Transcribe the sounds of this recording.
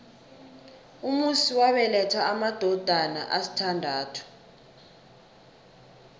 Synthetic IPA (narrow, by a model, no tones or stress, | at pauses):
umusiwaɓɛlɛtʰwaːmad̥ʱɔd̥ʱana̰ʔasi̥tʰandʱaːtʰu̥